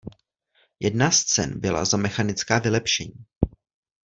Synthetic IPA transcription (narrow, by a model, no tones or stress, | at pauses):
jɛdnast͡sɛ̰nbɪla̰zamɛxanɪt͡skaːvɪlɛpʃɛɲiː